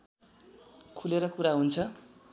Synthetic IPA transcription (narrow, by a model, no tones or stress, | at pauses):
kʰuleɾʌkuɾaɦunt͡sʰʌ